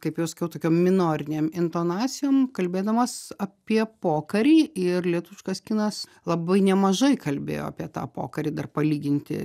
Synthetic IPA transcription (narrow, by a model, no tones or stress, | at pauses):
kɐɪpjɛʊsɐ̥kʲɛʊt̪oːkʲoːmmʲɪnoːɾʲɪnʲeːmɪnt̪oːnɑːsʲɪjoːmkɐlʲbʲeːd̪ɐmɐsɐpʲiɛpoːkɐɾʲiːɪrlʲiɛt̪uʋʲɪʃkɐskʲiːnɐslˠɐbɐɪnʲɛmɐʒɐɪkɐlʲbʲḛːjo̰ːɐ̰pʲiɛt̪ɑ̰ːpo̰ːkɐɾʲiːd̪ɐrpɐlʲiːɡʲɪnʲt̪ʲɪ̰